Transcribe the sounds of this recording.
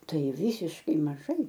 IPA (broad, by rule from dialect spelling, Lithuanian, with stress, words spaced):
ˈtɐɪ ˈʋʲiːsʲɪʃkɐɪ mɐˈʒɐɪ